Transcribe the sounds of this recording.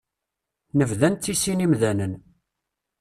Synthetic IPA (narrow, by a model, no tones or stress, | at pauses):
nəvðænt̪ːisinimðænən